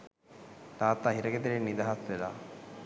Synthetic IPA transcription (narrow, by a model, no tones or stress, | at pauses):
d̪aːt̪aːɦiɾɐɡet̪iɾenːid̪aɦasʋela̰